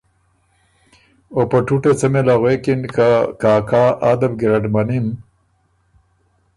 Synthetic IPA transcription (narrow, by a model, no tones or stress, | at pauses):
opɐʈuʈet͡sɐmelaɣwekinkʰakaːkaːʔad̪ɐbɡɾaɖmanin